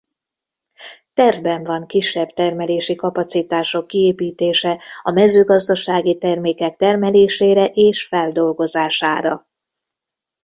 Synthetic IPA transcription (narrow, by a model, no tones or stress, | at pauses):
t̪ɛrvbɛɱvɒŋkiʃːɛbt̪ɛrmɛleːʃikɒpɒt̪sit̪aːʃo̞kːieːpiːt̪eːʃɛɒmɛzøːɡɒzd̪ɒʃaːɡit̪ɛrmeːkɛk̚t̪ɛrmɛleːʃeːɾɛʔeːʃfɛld̪o̞lɡo̞zaːʃaːɾɒ̰